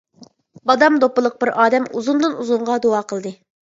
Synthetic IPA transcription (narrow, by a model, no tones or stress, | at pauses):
bɑd̪ɑmd̪opːəlˠəq̚bɪɾɑːd̪ɛmuzund̪ɨnuzuɴʁɑd̪oɑːqʰəlˠd̪ɨ